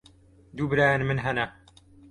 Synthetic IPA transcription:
d̪uːbɨɾaːjanmɨnɦɐnɐ

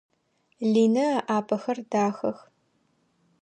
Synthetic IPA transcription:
ɮiːnɐʔaːpʰɐxɐrdaːxɐx

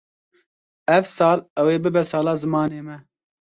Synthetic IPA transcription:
ɛvsɑːlɛweːbɨbɛsɑːlɑːzɨmɑːneːmɛ

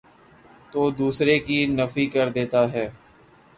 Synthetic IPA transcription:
t̪oːd̪uːsɾekinəfikɐɾd̪eːt̪aɦɛː

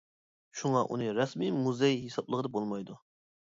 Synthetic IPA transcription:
ʃuŋɑʔṵnɨɾɛsmimuzejɦesɑblˠəʁəd̪ɑbolˠmɑjd̪u

